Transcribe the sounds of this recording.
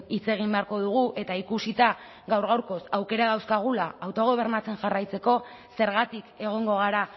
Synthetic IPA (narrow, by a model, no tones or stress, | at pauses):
it͡se̞ɣ̞imbe̞aɾko̞ðuɣ̞uʔe̞t̪aikusit̪a | ɣawɾɣawɾko̞sawke̞ɾaðawskaɣ̞ulaawt̪o̞ɣ̞o̞β̞e̞ɾnat͡se̞nʝarajt͡se̞ko̞ | se̞ɾɣat̪ike̞ɣ̞o̞ŋɡo̞ɣ̞aɾa